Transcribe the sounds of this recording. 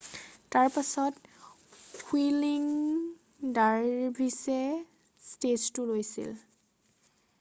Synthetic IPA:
taɹpasɔt | pʰwiliŋ | daɹbʱisɛ | steztʊlojsḭl

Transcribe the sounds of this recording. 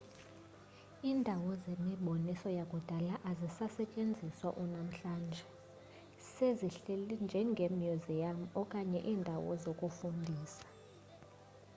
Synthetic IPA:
iːndʱawɔzemiɓonisɔjakʼud̥ʱalaʔazisasɛt͡ʃʼend͡zʱiswa̰ʔunam̩ɬaːnd͡ʒʱɛ | seziɬelind͡ʒʱɛŋɡʱemjuzijam̩ɔkʼaɲɛʔiːndʱawɔ̰zokʼufundʱiːsḁ

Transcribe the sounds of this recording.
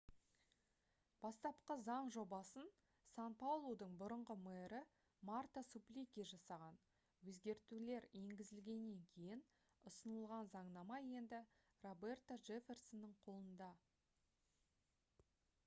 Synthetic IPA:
b̥ɑst̪ɑpqəzɑɴʒo̞bɑsən | sanpawlˠod̪əɴbʊɾəɴʁəmeɾɪ | mart̪asuplʲikʲeʒɑsɑʁɑn | wɵzɡʲe̞ɾt̪ule̞ɾe̞ŋɡʲɪzɪlɡʲe̞nːe̞ŋkʲʰe̞jɪn | ʊsənəlˠʁɑnzɑɴnɑmɑje̞nd̪ɪ | ro̞be̞rt̪oʒe̞fʲe̞rsonːəɴqʰo̞lˠənd̪ɑ

